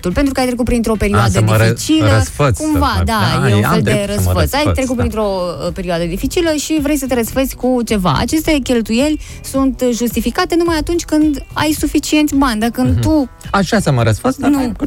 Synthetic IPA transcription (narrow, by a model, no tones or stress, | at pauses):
t̪ulpent̪ɾukəajt̪ɾe̞kut̪pɾint̪ɾo̞pe̞ɾioad̪əit͡ʃiləsfəkumvad̪ajeunfe̞ld̪eeɾəsfəsajt̪ɾe̞kut̪pɾint̪ɾo̞pe̞ɾioad̪əd̪ifit͡ʃiləʃivɾejs̬ət̪eɾəsfezʲkut͡ʃe̞va̰a̰t͡ʃe̞st̪e̞kʲe̞lt̪uje̞lʲ | sunt̪ʒust̪ifikat̪e̞numajat̪unt͡ʃʲkɨnd̪a̰jsufit͡ʃie̞nt̪sʲbanʲd̪akɨnd̪t̪uaʃasaməɾəsfəsnu